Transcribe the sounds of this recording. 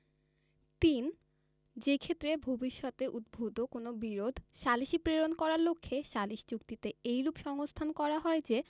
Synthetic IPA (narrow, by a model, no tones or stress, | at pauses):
t̪in | d͡ʑekʰet̪ːɾebʱobiʃːɔt̪eʔud̪̚bʱud̪okonobiɾod̪ʱʃaliʃipɾeɾonkɔɾaɾlokʰːeʃaliʃi̥t͡ɕukt̪it̪eejɾupʃɔŋost̪ʰankɔɾaɦɔed͡ʑe